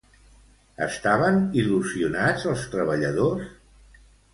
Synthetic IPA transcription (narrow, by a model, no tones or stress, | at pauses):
ə̰st̪aβəniluziunad͡zəlˠst̪ɾəβəʎəðos